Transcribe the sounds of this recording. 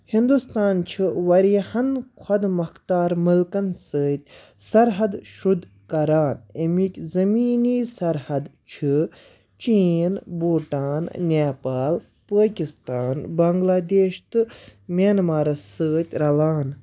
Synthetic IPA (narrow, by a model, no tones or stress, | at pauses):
hind̪ust̪aːnt͡ʃʰiʋɐɾjɐhɐnkʰɐd̪mɐkt̪aːɾmɨlkɐnsəːt̪̚ʲ | sɐɾɦɐd̪ʃud̪ | kɐɾaːnemikʲzɐmiːniːsɐɾhɐd̪t͡ʃʰi | t͡ʃiːnboːʈaːnnʲaːpaːl | pəːkʲist̪aːnbɐŋɡlaːd̪eːʃt̪ɨmʲaːnmaːɾɐsəːt̪ʲɾɐlaːn